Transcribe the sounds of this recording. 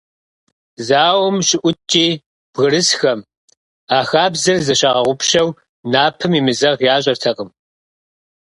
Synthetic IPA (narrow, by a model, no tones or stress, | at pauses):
zaːwʊmɕʼɪʔʷʊt͡ʃʼiː | b̥ɣɨɾɨsxɐm | aːxaːbzɐrzɐɕɐʁɐʁʷʊpʃɐw | naːpʰɨmiːmɨzɐʁjaːɕ̬ʼɐrtʰɐqəm